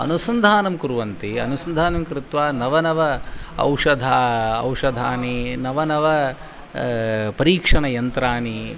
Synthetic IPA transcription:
ɐ̰nusɐnd̪ʱaːnɐmkuɾuʋɐnt̪iɐnusɐnd̪ʱaːnɐmkɾɪt̪ʋaːnɐʋɐnɐʋɐɐ̰wʂɐd̪ʱaːɐ̰wʂɐd̪ʱaːninɐʋɐnɐʋɐ | pɐɾiːkʂɐɳɐjɐnt̪ɾaːni

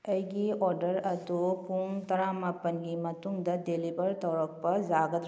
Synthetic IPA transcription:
əjɡiɔɾɖəɾɐd̪upuŋt̪ɐɾamɐpɐnɡimɐt̪uŋd̪ɐdelibəɾt̪ɔwɾɔk̚pɐzaɡət̪

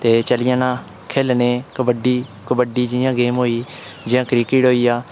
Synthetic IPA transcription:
t̪eːt͡ʃəlɪjãːnãː | kʰeːlneːkəbəɖiː | kəbəɖiːd͡ʒɪjãːɡeːmɦoːiː | d͡ʒɪãːkɾiːkɪʈɦoːiːaː

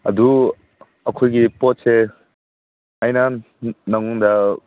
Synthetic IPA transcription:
ɐdu | ɐkʰojɡipɔt̚se | ajna | nɐŋɔŋd̪ɐ

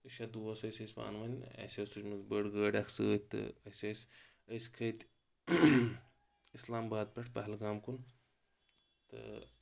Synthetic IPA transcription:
ɨʃad̪uːɐsɐsʲɐsʲpa̰ːnʋɐnʲɐ̰sʲɐsut͡ʃʲmɐzbəɽɡəːɖʲɐksɨ̰ːt̪ɨ̰ɐsʲɐsʲ | əsʲkʰɐt̪ʲ | islaːmbaːd̪̚pʲɐʈʰpɐɦlɡaːmkun | t̪ɨ̰

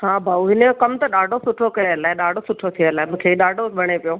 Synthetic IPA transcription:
hãːbʱauɦɪnekɐmt̪ɐɗaːɖʱosʊʈʰokɐəlaːɦɪɗaːɖʱosʊʈʰot̪ʰijəlaːɪmũːkʰeiɗaːɖʱobʱɐɽ̃epijoː

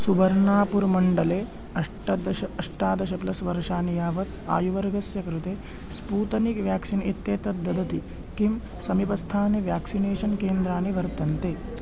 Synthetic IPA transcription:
subɐɾnaːpuɾmɐɳɖɐleː | ɐʂʈɐd̪ɐʃɐɐʂʈaːd̪ɐʃɐplɐsʋɐɾʂaːnijaːʋɐt̪a̰ːjuʋɐɾɡɐsjɐkɾut̪eː | spuːt̪ɐnikʋjaːksinit̪ːeːt̪ɐd̪ɐd̪ɐt̪i | kim | sɐmipɐst̪ʰaːniʋjaːksineːʃɐnkeːnd̪ɾaːniʋɐɾt̪ɐnt̪eː

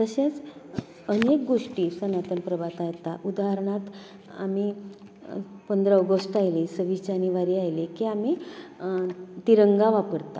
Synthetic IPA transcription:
t̪əɕat͡s | ənek̚ɡoʂʈiːsənat̪ənpɾəbat̪ajt̪aʔud̪aɦəɾɳ̃at̪ | a̰mi | pənd̪ɾəɔɡəsʈajlisəʋid͡ʑaniʋaɾiːajlikiami | t̪iɾəŋɡaʋapəɽt̪a̰

